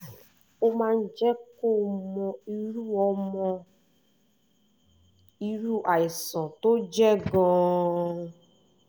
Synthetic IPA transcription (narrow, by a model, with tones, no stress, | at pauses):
o˦mã˦˧n̩˦d͡ʒɛ˦ko˦mɔ̃˧i˦ɾu˦ɔ˧mɔ̃˧ | i˦ɾu˦˨ʔa˨i˨sɔ̃˨to˦d͡ʒɛ˦ɡɔ̃ː˦